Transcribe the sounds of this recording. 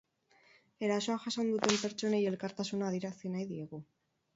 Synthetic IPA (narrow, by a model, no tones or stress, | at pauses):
e̞ɾaso̞aʝasand̪ut̪e̞mpe̞ɾt͡ʃo̞ne̞je̞lkaɾt̪asunaːðiɾasinajðie̞ɣu